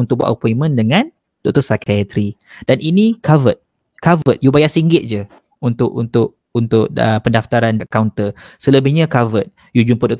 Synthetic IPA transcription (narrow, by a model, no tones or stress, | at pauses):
unt̪ʊk̚baʔopɔimə̃ndəŋãn | d̥ɔʔ̚k̚t̪ɔsakaat̪ɾid̥aninikʰavət̪̚ | kavət̪̚jubajasiŋɡɪt̪̚d͡ʒə | unt̪ʊʔunt̪ʊʔ | unt̪ʊʔ̚əpəndaft̪aɾanʔkawnt̪əsələbɪhɲakavət̪̚ | jud͡ʒumpədɔk